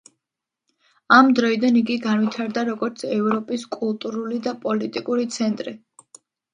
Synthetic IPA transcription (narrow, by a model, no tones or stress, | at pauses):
amd̪ɾɔid̪aniɡiɡanwit̪ʰaɾd̪aɾɔɡɔɾt̪sʰɛvɾɔpʼiskʼulˠt̪ʼuɾulid̪apʼɔlit̪ʼikʼuɾit̪sʰɛnt̪ʼɾi